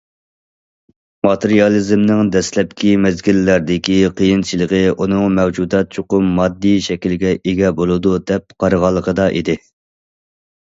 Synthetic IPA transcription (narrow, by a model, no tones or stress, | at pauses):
mɑt̪ʰɨɾijɑlˠizmnɪŋd̪ɛslɛp̚kʲʰimɛzɡʲilːæɾd̪ɪkʲiqʰəjint͡ʃʰilˠəʁəʔunɨŋmɛwd͡ʒud̪ɛt̪̚t͡ʃʰoqʊmːɑd̪ːijʃɛkʲilɡʲɛʔeɡʲɛbolˠɨd̪ud̪ɛp̚qʰɑɾəʁɑlˠːəqəd̪ɑʔḭd̪ɪ